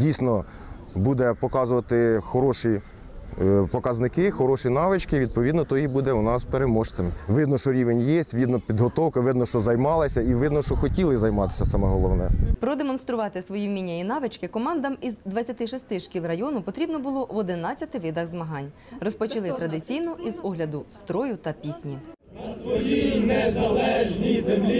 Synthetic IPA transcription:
dʲijsʲnɔ | bud̪ɛpɔkɑzʊʋɐt̪ɪxɔɾɔʃi | pɔkɐznɪkɪxɔɾɔʃinɑʋɪt͡ʃkɪʋʲid̪̚pɔʋʲid̪nɔt̪ɔjibud̪ɛʊnɑspeɾemɔʃt͡s̪ʲɐmʋɪd̪nɔʃɔɾʲiʋenʲjesʲtʲʋʲid̪nɔpʲid̪ɦɔt̪ɔwkɐʋɪd̪nɔʃɔzɐjmɑlˠɐsʲɐiʋɪd̪nɔʃɔxɔtʲilˠɪzɐjmɑt̪ɪ̥sʲɐsɑmɛɦɔlˠɔʋnɛpɾɔd̪emɔnst̪ɾʊʋɑt̪ɪsʋɔjiwmʲinʲːɐinɑʋɪt͡ʃkɪkɔmɑnd̪ɐmizd̪ʋɐt͡sʲɐt̪ɪʃist̪ɪʃkʲilˠrɐjɔnʊpɔt̪ɾʲibnɔbʊlˠɔʋɔd̪ɪnɑt͡sʲːɐt̪ɪʋɪd̪ɐɣzmɐɦɑnʲ | rɔspɔt͡ʃilˠɪt̪ɾɐd̪ɪt͡sʲijnɔʔizɔɦlʲɐd̪ʊst̪ɾɔjʊt̪ɐpʲisʲnʲi | ʋɔjinezɐlˠɛʒnʲizemlʲ

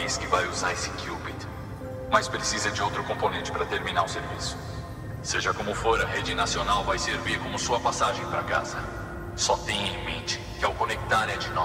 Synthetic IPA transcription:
ejskɪvajuzaɾesɪ̥kʰubit̪ | majspɾesizɐd͡ʒɪowt̪ɾʊkõponẽt͡ʃɪ̥pɾɐt̪eɾmĩnaɾʊseɾvisʊ̥ | seʒɐkõmʊfoɾɐɦed͡ʒɪnasionawvajseɾviɾkõmʊsuɐpasaʒẽj̃pɾɐka̰zɐ | sɔt̪ẽj̃ẽmẽnt͡ʃɪ̥kɪawkonek̚t̪aɾɛd͡ʒɪnɔ

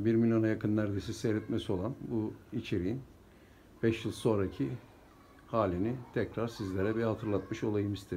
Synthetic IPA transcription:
biɾmilʲjo̞najakʰɯnːæɾd̪esiseɾet̪mesio̞lˠanbuit͡ʃʰe̞ɾijin | b̥ɛʃjɯlˠso̞nɾacʰi | haːlʲinit̪ʰɛcɾaɾsizlʲeɾɛbihat̪ʰɯɾlˠat̪mɯʃo̞lˠajɯmist̪ʰe

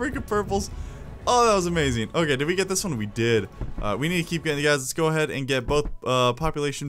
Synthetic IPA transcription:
ɹikəd̚pʰɜ˞pl̩ˠz̥ | oʊðæt̚wʌzɨmeɪzɪ̃ŋoʊkeɪdɨd̚wiɡɛt̪̚ðɪswʌ̃nwidɪdʔʌ̰winid̚tʰɨkʰip̚ɡ̥ɛɾɪ̃ŋðɨɡaɪzðɨtsɡ̥oʊəɦɛɾɨ̰̃nɡɛt̚b̥oʊθʌpʰɑpjəleɪʃɨ̃n̩

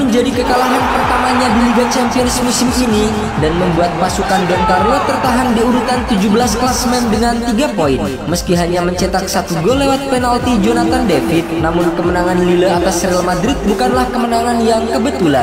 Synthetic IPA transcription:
məɲd͡ʒadikəkalaɦanpərt̪amaɲadiliɡat͡ʃampionɪsmusɪmʔini | danməmbuat̪̚pasukandɔnt̪arlot̪ərt̪aɦandiudut̪ant̪ud͡ʒubəlasklasmɛndəŋant̪iɡapoin | məskiɦaɲaməɲt͡ʃɛt̪ak̚sat̪uɡolewat̪̚pɛnalt̪id͡ʒonat̪andefɪt̪̚namʊnkəmənaŋanliləat̪asrialmadɾɪt̪̚bukanlahkəmənaŋanjaŋkəbət̪ulan

